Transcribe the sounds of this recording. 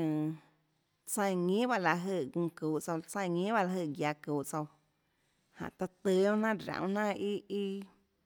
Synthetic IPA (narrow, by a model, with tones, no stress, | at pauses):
ə̃˨ | t͡sə̃˧j̃ŋĩ˦ba˦ʔla˧ɦəː˧˨ɡũ˧kuː˨ʔt͡so˧t͡sə̃˧˨ŋĩː˦ba˦ʔla˧˨əː˧˨ɡja˧kuː˨ʔt͡so˧w | hã̰˨ʔt̪a˧t̪ɨ˧˦õ˦nã˦ɾã̰˧˨w̃nã˦i˦i˦˧